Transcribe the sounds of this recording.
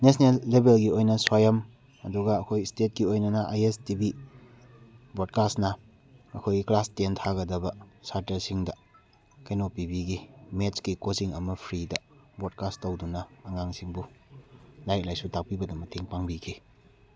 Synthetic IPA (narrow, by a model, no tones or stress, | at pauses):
nesnelːebelɡiojnɐswajɐm | ɐduɡɐːkʰojstet̚kiojnɐnɐʔajestibi | bod̚kasnɐ | ɐkʰojɡiklastentʰaɡɐdɐbɐsaɾtɐɾsiŋdɐ | kejnopibiɡimet͡ʃkikoziŋɐmɐpʰɾidɐbod̚kastowdunɐːŋaŋsiŋbu | lajk̚lajsutak̚pibɐdɐmɐtʰeŋpaŋbikʰi